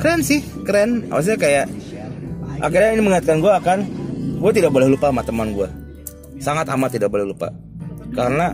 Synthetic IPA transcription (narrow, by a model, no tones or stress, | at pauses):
kəɾɛnsɪh | kəɾɛna̰pas̬ɲakajaʔ | ʔa̰kiɾainiməŋiat̪̚kanɡuaːkanɡuat̪idak̚bolɛhlupamat̪əmanɡua | saŋat̪a̰mat̪idak̚bolɛhlupa̰ | kaɾəna